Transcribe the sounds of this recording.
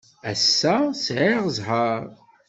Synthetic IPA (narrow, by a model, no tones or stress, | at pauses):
æsːæsʕɪʁzˤħəɾˤ